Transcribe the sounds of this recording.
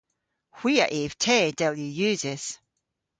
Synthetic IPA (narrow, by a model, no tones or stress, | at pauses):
hw̥iːa̰ʔɪv̥tʰɛːdɛlˠjujʉːzɪz̥